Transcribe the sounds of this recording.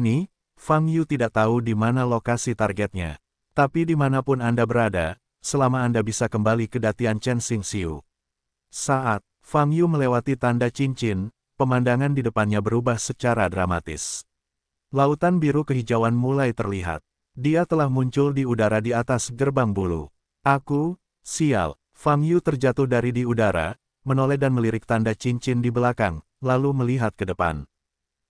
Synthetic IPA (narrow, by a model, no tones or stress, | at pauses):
ni | faŋjut̪idaʔ̚t̪audimanalokasit̪arɡɛt̪̚ɲa̰ | t̪apidimanapʊnandabəɾada̰ | səlamaːndabisakəmbalikədat̪iant͡ʃɛnsɪŋsiṵ | saʔat̪̚ | faŋjuməlewat̪it̪andat͡ʃiɲt͡ʃɪn | pəmandaŋandidəpanɲabəɾubahsət͡ʃaɾadɾama̰t̪ɪ̰s | laut̪anbiɾukəɦid͡ʒawanmulajt̪ərliɦa̰t̪̚ | diat̪əlahmuɲt͡ʃʊldiudaɾadiat̪asɡərbaŋbulṵ | ʔaku | sia̰l | faŋjut̪ərd͡ʒat̪ʊhdaɾidiudaɾa̰ | mənolɛdanməliɾɪk̚t̪andat͡ʃiɲt͡ʃɪndibəlakaŋ | laluməliɦat̪̚kədəpa̰n